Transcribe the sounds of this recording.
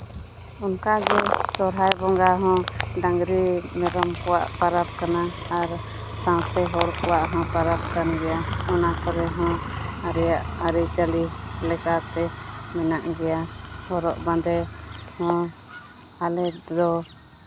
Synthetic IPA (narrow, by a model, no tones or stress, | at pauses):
unkaɡɛsɔɾɦajbɔŋɡaɦɔ̃dãŋɡɾimɛɾɔmkɔwa̰ʔpaɾap̚kana | aɾ | sãwsɛɦɔɾkɔwaʔɦɔ̃paɾap̚kanɡɛjaɔnakɔɾɛɦɔ̃ | aɾɛjaʔaɾid͡ʒali | lɛkat̪ɛ | mɛnaʔɡɛja | hɔɾɔʔbãnd̪ɛ | hɔ̃ | alɛ | d̪ɔ